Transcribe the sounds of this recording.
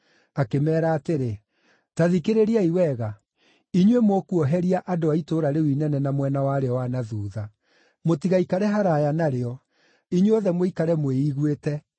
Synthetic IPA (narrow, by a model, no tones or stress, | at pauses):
akemɛːɾaːteɾe | taðikeɾeɾiaiwɛɣa | iɲwemwokuɔɦɛɾiaʔadoaitoːɾaɾewinɛnɛnamwɛnawaːɾeɔwanaðuːða | motiɣaikaɾɛɦaɾajanaɾeɔ | iɲweoðɛmweikaɾɛmweiɣwetɛ